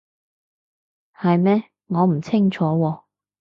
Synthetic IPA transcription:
hɐ˨jmɛː˥ | ŋɔː˨˧m̩˨˩t͡sʰɪ˥ŋt͡ʃʰɔː˨˥wɔː˧

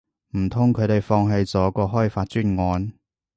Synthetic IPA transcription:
m̩˨˩t̪ʰʊ˥ŋkʰɵ˨˧ɥt̪e˨jfɔː˧ŋɦe˧jt͡sɔː˨˧˥kɔː˧ɦɔː˥jfaː˧t̚t͡ʃyː˥nŋɔː˧n

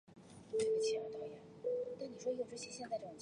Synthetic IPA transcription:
bə˥˩t͡ɕʰi˧˩ɑ˧˥˩t̪ɑ˥˩ʊjɛ˥˩˦nt̪a˥˩ni˨˩wɔ˥˧˥ʈ͡ʂɕʰi˥ɕjɛ˥˧nt͡s̪a˥˩ɪʈ͡ʂɤ˥˩˨t͡ɕ

